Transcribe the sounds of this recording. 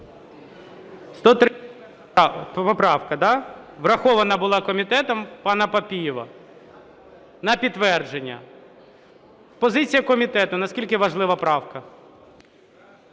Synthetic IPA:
st̪ɔt̪ɾ | pɔpɾɑwkɐd̪ɑʋrɐxɔʋɐnɐbʊlˠɑkɔmʲit̪ɛt̪ɔmpɑnɐpɐpʲijɪʋɐ̰ | nɐpʲit̪ːʋɛrd͡ʒenʲːɐ̰ | pɔzɪt͡sʲijɐkɔmʲit̪ɛt̪ʊnɐskʲilʲkɪʋɐʒlˠɪʋɐpɾɑwkɐ

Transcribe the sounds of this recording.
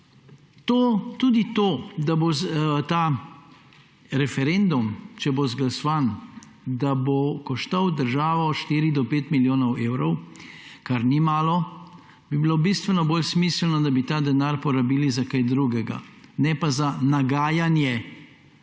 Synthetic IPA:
t̪ot̪uːd̪it̪oːd̪abozt̪a | ɾɛfɛɾend̪umt͡ʃɛbozɡlasɔʋan | d̪abokɔʃt̪awd̪əɾʒaːʋɔːt̪ʃt̪iːɾid̪ɔpeːt̪miljoːnɔweːwɾɔwkaɾnimaːlɔ | b̥ibilobist̪ʋɛnɔboːlsmiːslnɔd̪abit̪aːd̪ɛnaːɾpɔɾabiːlizakajd̪ɾuɡɛɡa̰nɛpazanaɡaːjanjɛ

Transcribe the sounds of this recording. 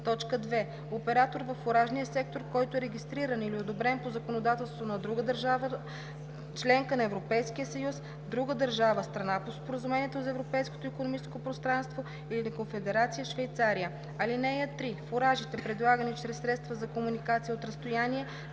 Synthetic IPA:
t̪ɔt͡ʃkəd̪vɛ | opɛɾat̪oɾvəfːoɾaʒnijəsɛk̚t̪oɾkɔjt̪oɛɾɛɡ̟ʲist̪ɾiɾəniliod̪obɾɛnpozɐkonod̪at̪ɛlˠst̪vonɐd̪ɾuɡəd̪əɾʒavə | t͡ʃlɛŋkənɐɛvɾopɛjskijəsɐjus | d̪ɾuɡəd̪əɾʒavəst̪ɾɐnapospoɾəzumɛniɛt̪ozɐɛvɾopɛjsko̥t̪oikonomit͡ʃɛskopɾost̪ɾanst̪vo | ilinɐkonfɛd̪ɛɾat̪sijəʃvɛjt̪saɾijə | ɐlinɛjət̪ɾifoɾaʒit̪ɛpɾɛd̪lˠaɡənit͡ʃɾɛsːɾɛt̪st̪vɐzɐkomunikat̪sijəot̪ɾɐst̪ojaniɛ

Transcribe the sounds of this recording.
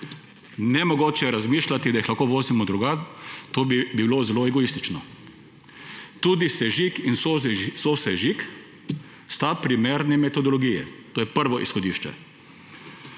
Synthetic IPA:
nɛmɔɡoːt͡ʃɛɛɾazmiːʃlat̪id̪ajixlaxkoːʋoːzimɔd̪ɾuɡat̪oːbibiwloːzɛloɛɡɔist̪it͡ʃnɔ | t̪uːd̪isɛʒikinssosɛʒik | st̪apɾimeːɾnɛmɛt̪ɔd̪ɔlɔɡijɛ̰t̪oːjɛpəɾʋɔʔisxɔd̪iʃt͡ʃɛ̰

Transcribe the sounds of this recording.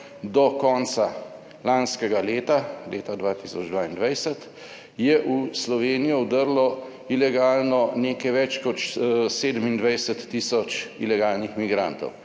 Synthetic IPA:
d̪ɔkɔːnsa | lanskɛɡaleːt̪aleːt̪ad̪ʋaːt̪isɔd͡ʒd̪ʋaːind̪ʋajsət̪ | jɛʔuslɔʋeːnijɔwd̪əɾlɔ | ilɛɡaːlnɔneːkɛjʋɛt͡ʃkɔt͡ʃseːd̪əmind̪ʋajsət̪ːiːsɔt͡ʃḭlɛɡaːlnixmiɡɾant̪ɔ̰w

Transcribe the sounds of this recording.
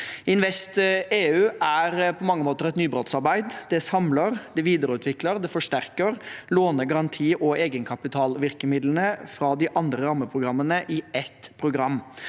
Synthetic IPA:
ɪnʋɛst̪eːʉːʔæɾpʰɔmɑŋːəmoːt̪əɾɛt̪nyːbɾot̪sɑɾbæɪd̪d̪ɛsɑmləɾd̪ɛʋiːd̪əɾəʉːt̪ʰʋɪkləɾd̪ɛfɔʂtæɾkəɾloːnəɡɑɾɑnt̪ʰiːʔɔeːɡənkʰɑpɪt̪ʰɑːlʋɪɾkəmɪd̪lən̩əfɾɑːd̪ɪʔɑnd̪ɾəɾɑːməpʰɾʊɡɾɑmːənəʔɪɛt̪ːpʰɾʊɡɾɑmː

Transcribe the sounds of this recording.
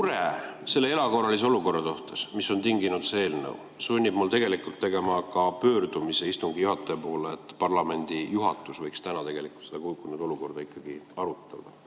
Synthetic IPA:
uɾese̞lːee̞lɑko̞rːɑlis̬e̞o̞luko̞rːɑt̪oht̪esmisːo̞nt̪iŋɡinud̪see̞ːlnə̰w | sunʲːib̥mult̪e̞ɡ̥e̞likult̪ːe̞ɡe̞mɑkɑpø̞ːrd̪̥umise̞ist̪uŋɡ̥ijuɦɑt̪ːˑejpo̞ːleet̪ːˑpɑrlɑme̞nʲd̪̥ijuɦɑt̪ːˑusvɤjkst̪ænɑt̪eɡ̥e̞likult̪sed̪̥ɑkulkːunud̪o̞luko̞rd̪̥ɑikˑːɑɡ̥iɑɾut̪ˑːɑ̰d̪̥ɑ

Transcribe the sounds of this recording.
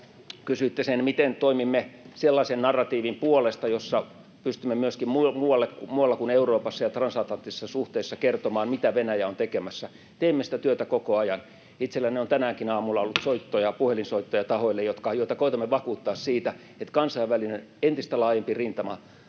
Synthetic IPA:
kysyit̪ːesenmit̪ent̪oimimːeselːɑisennɑrːɑt̪iːʋimpuolest̪ɑjosːɑ | pyst̪ymːemyøskimmumuːɑlːekkumuːɑlːɑkuneuroːpɑsːɑjɑt̪rɑnsɑt̪lɑnt̪isesːɑsuht̪eːsːɑkert̪omɑːnmit̪æʋenæjæont̪ekemæsːæ | t̪eimːesi̥t̪æt̪yøt̪ækokoɑjɑn | it̪selːæneont̪ænæːŋkinɑːmulːɑolːut̪soit̪ːojɑpuhelinsoit̪ːojɑt̪ɑhoilːejot̪kɑjoit̪ɑkoit̪ɑmːeʋɑkuːt̪ːɑːssiːt̪æ | et̪kɑnsɑiʋʋælinenent̪ist̪ælɑːjempirint̪ɑmɑ

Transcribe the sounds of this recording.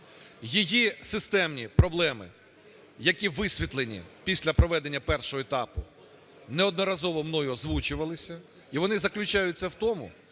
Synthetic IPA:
jijisɪst̪ɛmnʲipɾɔblˠɛmɪ̰ | jɐkʲiʋɪsʲʋʲit̪lˠenʲḭpʲisʲlʲɐpɾɔʋɛd̪enʲːɐpɛrʃɔɦɔet̪ɑpʊ | nɛɔd̪̚nɔɾɐzɔʋɔmnɔjʊzʋut͡ʃʊʋɐlˠɪsʲɐ | iʋɔnɪzɐklʲʊt͡ʃajʊtʲt͡sʲːɐwt̪ɔmʊ̰

